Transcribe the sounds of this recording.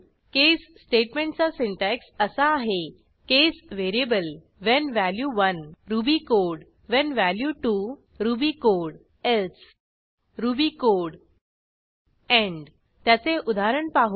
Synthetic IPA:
kesːʈeʈmẽɳʈt͡sasiɳʈɛksəsaːɦe | kesʋeɾiebəl | ʋɛnʋæljuʋənɾubikoɽ | ʋɛnʋæljuʈu | ɾubikoɽ | els | ɾubikoɾɽ | ɛ̃ɳ | t̪jat͡seʔud̪aɾəɳpaɦu

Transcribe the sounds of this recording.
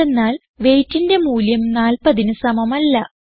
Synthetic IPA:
enːaːl | ʋe̞jtːinde̞muːljɐmnaːlpɐðinɨsɐmɐmɐlːɐ

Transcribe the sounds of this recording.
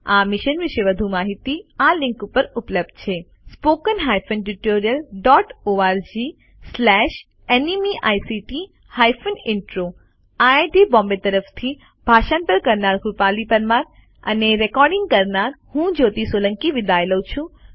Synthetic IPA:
amɪʃənʋɪʃeʋəd̪ʱumaɦit̪ialɪ̃ŋkupəɾupləb̚d̪̚t͡ʃʰe | spokənɦajfənʈuʈoɾijəlɖɔʈoaɾd͡ʒi | slɛʃ | enimiʔajsiʈi | hajfənɪɳʈɾo | aeʈibɔ̃mbet̪əɾəft̪ʰi | b̥ʱaʃanpəɾkəɾnaɾkupalipəɾmãɾ | ə̰neɾekɔɾɖɪ̃ŋɡ̚kəɾnaɾhũd͡ʒot̪isolə̃ŋkiʋɪd̪aeləwt͡ʃʰũ

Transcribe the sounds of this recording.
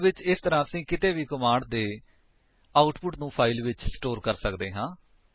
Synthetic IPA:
ʋɪt͡ʃɪst̪əɾãːəsĩːkɪt̪eːʋiːkəmaːɖd̪eː | aːʊʈpʊʈnũːpʰaːɪlʋɪt͡ʃsʈoːɾkəɾsəkd̪eːɦãː

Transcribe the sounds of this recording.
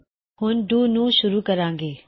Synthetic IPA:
hʊnɖuːnũːʃʊɾuːkɐɾãːŋɡeː

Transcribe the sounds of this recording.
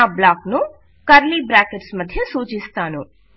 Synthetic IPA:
ablaːknu | kɐɾliːbɾaːkeʈsmɐd̪ʱːjesuːt͡ʃist̪aːnu

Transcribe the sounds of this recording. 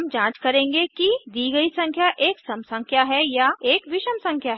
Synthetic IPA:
md͡ʒãːt͡ʃkɐɾẽːŋɡekid̪iːɡɐisɐ̃ŋkʰjaʔeːksɐmsɐ̃ŋkʰjaɦɛjaeːkʋɪʃəmsɐ̃ŋkʰjaɦɛ

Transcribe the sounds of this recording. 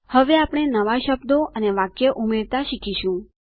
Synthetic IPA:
həʋeapɽ̃enəʋaʃəbd̪oʔəneʋakjəʔumeɾt̪aʃikʰiʃũ

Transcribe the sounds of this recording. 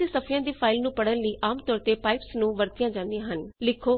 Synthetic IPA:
iːsəpʰjãːd̪iːpʰaːɪlnũːpəɽənləiːʔaːmt̪ɔːɾt̪eːpaːɪpsnũːʋəɾt̪ɪjãːd͡ʒãːnd̪ijãːɦənlɪkʰoː

